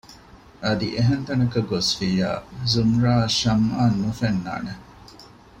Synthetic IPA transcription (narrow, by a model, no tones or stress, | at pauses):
ʔɐd̪ḭʔeɦent̪ɐnɐkɐɡosfiːja̰ːzumɾaːʃɐmaːnːufenːa̰ːne